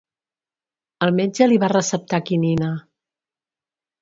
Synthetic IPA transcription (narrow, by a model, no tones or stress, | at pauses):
əlˠmed͡ʒəliβarəsəp̚t̪akininə